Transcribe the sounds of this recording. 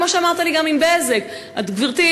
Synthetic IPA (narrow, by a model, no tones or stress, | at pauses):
moʃeamaʁt̪aliɡamimbezek | ʔat̪ɡviʁt̪i